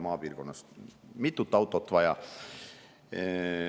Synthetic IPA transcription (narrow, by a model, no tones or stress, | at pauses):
mɑːpiːrkonːɑst̪mit̪ːut̪ːɑwt̪ːˑot̪ːʋɑjɑ̰